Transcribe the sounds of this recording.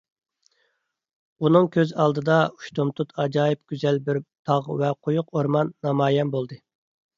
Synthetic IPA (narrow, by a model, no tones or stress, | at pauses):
unɨŋkʲʰøzɑlˠd̪ɨd̪ɑu̥ʃt̪omt̪ʰut̪ʰɑd͡ʒɑːjip̚ɡʲyzɛlbɪɾt̪ʰɑʁvɛqʰojʊqʰoɾmɑnːɑmɑːjɛnbolˠd̪ɨ